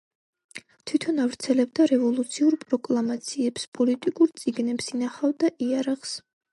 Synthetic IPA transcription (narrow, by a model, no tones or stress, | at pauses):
t̪ʰwit̪ʰɔnavɾt̪sʰɛlɛbd̪aɾɛvɔlˠut̪sʰiuɾpʼɾɔkʼlˠamat̪sʰiɛpspʼɔlit̪ʼikʼuɾt̪sʼiɡnɛpsinaχavd̪aʔiaɾaʁs